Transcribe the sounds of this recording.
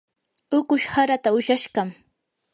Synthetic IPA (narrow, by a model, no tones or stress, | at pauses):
ʊkʊʃhaɾat̪aʊʃaʃɢɑm